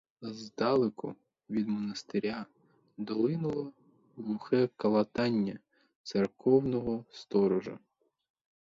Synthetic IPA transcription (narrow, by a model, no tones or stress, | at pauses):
zd̪ɑlˠɪkʊ̰ | ʋʲid̪mɔnɐst̪eɾʲa | d̪ɔlˠɪnʊlˠɔ | lˠʊxɛkɐlˠɐt̪ɑnʲːɐ | t̪serkɔwnɔɦɔst̪ɔɾɔʒɐ̰